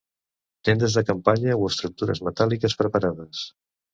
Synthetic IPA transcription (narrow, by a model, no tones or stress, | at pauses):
t̪end̪əzðəkəmpaɲəoəst̪ɾuk̚t̪uɾə̰zmət̪alikəspɾəpaɾaðəs